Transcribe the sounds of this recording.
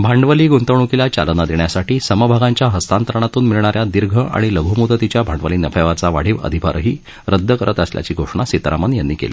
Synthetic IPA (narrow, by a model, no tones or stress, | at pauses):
bʱaɳɖʋəliːɡunt̪əʋɳ̃ukilat͡ɕa̰lənad̪eɳjasaʈiːsəməbʱaɡaɲt͡ɕjaɦəst̪ant̪əɾəɳ̃at̪uːnmiɭɳaɾjad̪iɾɡʱəʔa̰ɽ̃iləɡʱumud̪ət̪it͡ɕjabʱaɳɖʋəliːnəfeʋat͡saʋaɽ̤iʋə̰d̪ʱipa̰ɾɦiː | ɾəd̪ʱːəkəɾət̪əslja̰t͡ɕiːɡʱoʂɳasit̪ɾamənjanːiːkḛlḭ